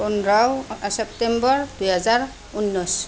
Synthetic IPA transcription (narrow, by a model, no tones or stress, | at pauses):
unɹawsɛptɛmbɔɹdujɦazaɹ | unːɔs